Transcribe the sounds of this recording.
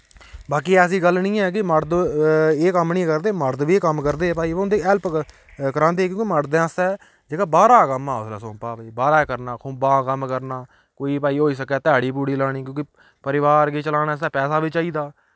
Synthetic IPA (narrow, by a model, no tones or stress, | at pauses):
baːkiːɛːs̬iːɡəlnĩːɛːk̬ɪməɾd̪eːkəmnĩkəɾd̪eːməɾd̪ʋiːkəmkəɾd̪eːpaːiːʋʊnd̪eːɛlp | kəɾãːnd̪eːkjõːkiməɾd̪ɛ̃ːst̪ɛː | d͡ʒeːkaːbaːɾaːkəmaːʊsla̰ːsõːpaːʋeːbaːɾaːkəɾnaːkʰoːbãːkəmkəɾnaː | koːiːpaːiːɦoːiːs̬əkɛːt̪ɪaːɽiːpuːɽiːlaːɽ̃iːkjõːkɪ | pəɾɪʋaːɾɡeːt͡ʃəlaːñaːst̪ɛːpɛːsaːbiːt͡ʃaːiːd̪aː